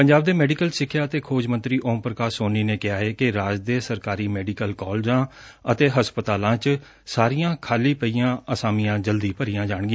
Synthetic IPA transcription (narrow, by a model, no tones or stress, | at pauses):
pəɲd͡ʒaːb̚d̪eːmɛːɖikəlsɪkʰːjaːət̪eːkʰoːd͡ʒmə̃nt̪ɾiːʔoːmpɾəkaːɾsoːniːneːkɪɦaːeːkɪɾaːd͡ʒd̪eːsəɾkaːɾiːmɛːɖikəlkɔːld͡ʒãː | ət̪eːɦəspət̪aːlãːt͡ʃ | saːɾijãːkʰaːliːpəiːjãːəsaːmijãːd͡ʒəld̪iːpəɾijãːd͡ʒaːɳɡɪã